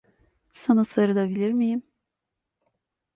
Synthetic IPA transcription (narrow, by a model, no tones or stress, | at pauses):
sanasaɾɯd̪abilʲiɾmijim